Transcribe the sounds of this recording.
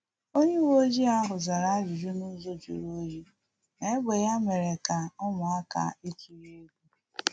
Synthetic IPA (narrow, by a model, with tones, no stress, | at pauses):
o˦ɲe˦wo˦d͡ʒi˦a˦ɦʊ˨za˨ɾa˦a˦d͡ʒʊ˨d͡ʒu˦nu˦zo˦d͡ʒṵ˨ɾo˦d͡ʒi˦ | ne˨˦ɡ͡be˨ja˦me˨ɾe˨ka˨ʊ˦mʊ˨a˦ka̰˨e˦ki˨ɾe˦ɡʷu˦